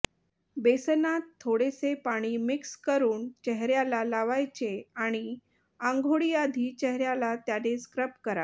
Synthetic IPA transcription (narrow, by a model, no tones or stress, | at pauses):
besnat̪ʰːoɽesepaɽ̃iːmikskəɾuːnt͡ɕɛɦɾjalalaʋajt͡ɕeaɽ̃i | aŋɡʱoɽijad̪ʱiːt͡ɕɛɦɾjalat̪janeskɾəpkəɾa̰t̪